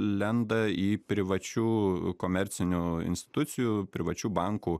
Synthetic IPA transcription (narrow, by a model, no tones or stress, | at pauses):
lʲɛnd̪ɐiːpʲɾʲɪʋɐt͡ʃʲuːkoːmʲɛɾʲt̪sʲɪnʲuɪ̰nʲsʲt̪ʲɪ̥t̪ʊt̪sʲɪjuːpʲɾʲɪʋɐt͡ʃʲuːbɐŋkuː